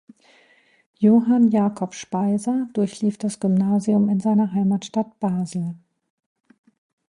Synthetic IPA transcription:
joːɦanjaːkʰɔpʃpaɪzɐdʊɐçliːfd̥asɡ̥ʏmnaːziʊmɪnzaɪnɐɦaɪmaːtʃtat̚b̥aːzl̩

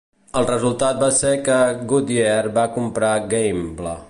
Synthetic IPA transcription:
əlˠrəzulˠt̪at̪̚basekəɡud̪iɛɾbakumpɾaɡɛjmblə

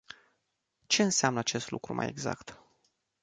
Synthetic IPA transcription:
t͡ʃe̞ɨnseamnəat͡ʃe̞st̪lukɾumʔa̰je̞ɡza̰kt̪

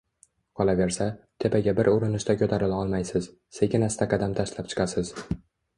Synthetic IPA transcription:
qʰɒlˠave̞ɾsat̪ʰe̞pʰaɡʲabɪɾʊɾɪnɪʃt̪akʲʰɵt̪ʰaɾɪlaɒlˠmajsɪz | seɡʲɪnast̪aqʰɑd̪amt̪ʰaʃlap̚t͡ʃʰɪ̥qʰɑsɪz

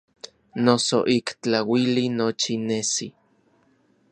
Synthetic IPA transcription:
nosoʔikt͡ɬawilinot͡ʃinesi

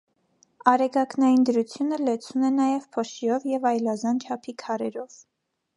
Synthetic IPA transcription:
ɑɾɛɡɑknɑjind̪əɾut͡sʰjunəlɛt͡sʰunɛnɑjɛvpʰɔʃiɔvjɛvɑjlɑzɑnt͡ʃʰɑpʰikʰɑɾɛɾɔv

